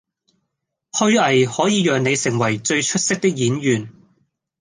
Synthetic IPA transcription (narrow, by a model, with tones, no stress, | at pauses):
hɵ˥ɥɐ˨jhɔː˨˥jiː˨˧jœː˨ŋne˨˧jsɪ˨˩ŋwɐ˨˩jt͡ʃɵ˧ɥt͡ʃʰɵ˥t̚sɪ˥k̚t̪ɪ˥k̚jiː˨˥njyː˨˩n